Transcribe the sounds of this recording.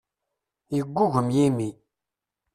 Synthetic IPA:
jəɡʷːuʝəmjimi

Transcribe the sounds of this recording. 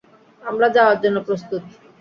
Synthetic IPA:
amɾad͡ʑaoaɾd͡ʑonːopɾost̪ut̪

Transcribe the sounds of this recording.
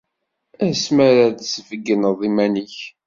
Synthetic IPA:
æsməɾaðsvəɡːənəðˤimænəç

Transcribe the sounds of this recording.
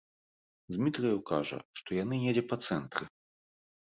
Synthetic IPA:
d͡zʲmʲit̪ɾɨjɐwkaʐɐ̰ʂt̪ɔjanɨnʲed͡zʲɛpɐt̪sɛnt̪ɾɨ

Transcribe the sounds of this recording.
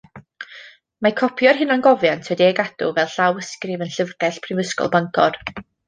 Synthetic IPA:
makʰɔpʰjɔrɦɪnanɡɔvjantʰwɛdiɛɡadʊ̰vɛlˠɬawəskrɪvənɬəvɡɛɬpʰrɪvəskɔ̰lˠbaŋkʰɔ̰d̥

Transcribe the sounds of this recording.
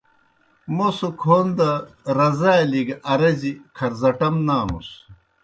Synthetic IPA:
mosukʰond̪ɐ | ɾɐzaːjliɡɐɾɐzikʰɐɾzɐʈɐmnaːmṵs

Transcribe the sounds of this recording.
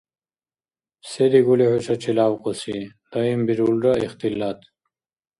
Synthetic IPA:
sed̪iɡulehut͡ɕʰɐt͡ɕʰilaːwqosi | d̪̥ɐimbiɾulɾɐiχt̪ilːat̪

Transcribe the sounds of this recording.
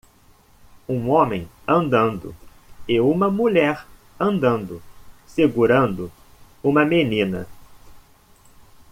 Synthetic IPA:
ũõmẽj̃ɐ̃nd̪ɐ̃nd̪ʊ̰ | eũmɐmuʎɛɾ | ɐ̃nd̪ɐ̃nd̪ʊseɡuɾɐ̃nd̪ʊ | ũmɐmenĩnɐ̰

